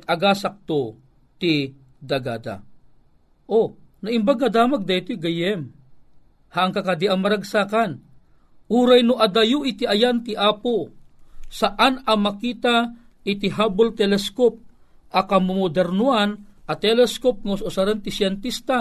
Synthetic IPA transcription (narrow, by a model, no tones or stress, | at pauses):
t̪ɐɡasak̚t̪o | t̪ɪ | d̪ɐɡa̰ːd̪a̰ | ʔonaʔimbaɡɐd̪aːmaɡ̚d̪ɐjt̪oɡɐjɛm | haʔːŋkakad̪iɐŋmɐɾɐɡsaːkan | ʔuːɾajnʊʔɐd̪ajuʔɪt̪iʔɐjant̪ɪʔaːpo | saʔanɐmɐkiːt̪a | ʔɪt̪iɦaːbolt̪ɛlɛskop̚ | ɐkamʊmod̪ɛɾnuanʔɐt̪ɛlɛskop̚ŋaʊsʊsaɾant̪ɪsjɛnt̪ist̪a